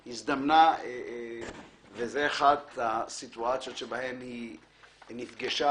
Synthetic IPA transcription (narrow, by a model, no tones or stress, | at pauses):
hisd̪amnae | vezeaχat̪asit̪uat͡sjot̪ʃebahemhi | nifɡaʃa